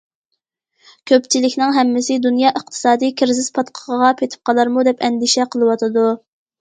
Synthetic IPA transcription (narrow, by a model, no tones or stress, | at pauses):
kʲʰøpt͡ʃʰilɪkʲnɪŋɦɛmːɪsɪd̪unjɑːʔəχt̪ʰɨ̥sɑːd̪ijkʲʰɪɾzɪz̥pʰɑt̪qʰəʁəʁɑpʰet̪ʰɪ̥p̚qʰɑlˠɑɾmud̪ɛpʰɛnd̪iʃɛqʰəlˠɨwɑt̪ʰɨd̪u